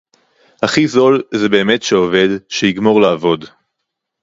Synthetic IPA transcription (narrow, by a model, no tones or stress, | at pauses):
haχizo̞lzebe̞ːme̞tʃeove̞dʃejiɡmo̞ʁlaːvo̞d